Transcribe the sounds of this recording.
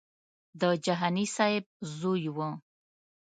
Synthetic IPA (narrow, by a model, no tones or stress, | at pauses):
d̪əd͡ʒaɦanisaɪb̚zojwə̃